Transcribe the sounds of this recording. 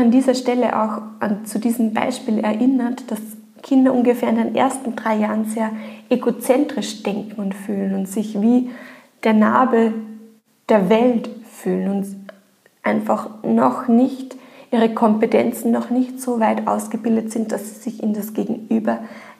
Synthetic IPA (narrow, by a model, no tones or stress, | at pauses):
andiːzɐʃtɛlə̰ʔa̰ʊxʔant͡sudiːzəmba̰ɪʃpiːlɛɐʔɪnɐtd̥as | kʰɪndɐʔʊnɡəfeːɐɪndenʔḛːɐstn̩d̥ʁaɪjaːʁənzeːɐʔeɡot͡sɛntʁ̥ɪʃd̥ɛŋkŋ̩ʊntfyːlənʊntz̥ɪçviː | d̥eːɐna̰ːbə | d̥eːɐvɛltfyːlənʊnt | ʔaɪnfaχnɔxnɪçtʔiːʁ̞əkʰɔmpətʰɛnt͡sn̩ːɔχnɪçtz̥oːvaɪtʔa̰ʊsɡ̥əbɪldətz̥ɪnt̚d̥asi̥z̥ɪçʔɪnəndasɡ̥eːɡŋ̩ʔyːbɐ